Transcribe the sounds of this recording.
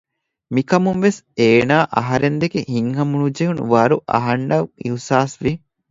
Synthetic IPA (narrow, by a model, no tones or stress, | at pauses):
mikɐmunʋeseːnaːʔɐɦɐɾend̪ekehiŋɦɐmunud͡ʒeɦunṵʋɐɾuʔɐ̰ɦɐɳɖɐʋiusaːsʋi